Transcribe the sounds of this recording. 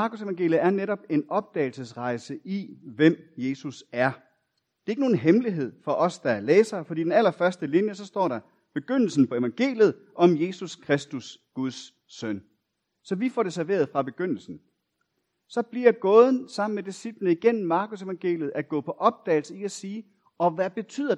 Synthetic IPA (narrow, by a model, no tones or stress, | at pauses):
mɑ̈ːkuseʋɑ̈ŋɡ̥e̝̰ljð̩æɐneɾɒ̽b̥e̝nɒ̽b̥̚d̥ɛ̰ːɪl̩səsʁɑ̈ɪsəʔiʋem̰je̝ːsusæɐ | d̥e̝ɐe̝ɡ̥no̝ːn̩ɦemliɦe̝ð̞̰ˠfɒ̽ʔɒ̽sd̥ɑ̈æɐleːsɐfɒ̽d̥ḭːd̥enælɐfɶɐsd̥əlinjəsɒ̽sd̥ɒ̰ːɾɑ̈ | b̥e̝ɡ̥øn̰l̩sn̩pʰɒ̽e̝ʋɑ̈ŋɡ̥e̝̰ːljð̩ˠ | ʔɒ̽mje̝suskʰʁɛsd̥usɡ̥uð̞ˠsː | œn̰ | sɒ̽ʋifɒ̰ːɾ̥e̝sæɐʋe̝ːɐð̞̩ˠfʁɑ̈b̥e̝ɡ̥øn̰l̩sn̩ | sɒ̽b̥liɐɡ̥ɔ̽ːð̞ˠn̩sɑ̈m̰n̩med̥isib̥lənəiɡ̥en̰m̩mɑ̈ːkʰose̝ʋɑ̈ŋɡ̥e̝̰ːljð̩ˠæɡ̥ɔ̰̽ːpʰɒ̽ʔɒ̽b̥̚d̥ɛ̰ːlsəiæsiː | ɒ̽ʋæb̥e̝t͡sʰy̰ð̰ˠɐ